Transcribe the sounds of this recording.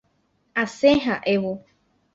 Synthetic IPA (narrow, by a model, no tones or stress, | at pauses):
asẽɦaʔewo